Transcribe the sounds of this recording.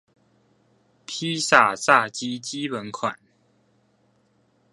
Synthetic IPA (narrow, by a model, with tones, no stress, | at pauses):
pʰi˦sa˨˩t͡sa˥˨t͡ɕi˦t͡ɕi˦wə˨˦nkʰwa̰˨˩˦n